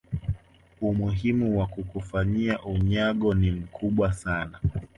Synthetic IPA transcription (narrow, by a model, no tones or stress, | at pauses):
umuɦimuwakukufaɲiaʔuɲaɠɔnim̩kʰuɓwasana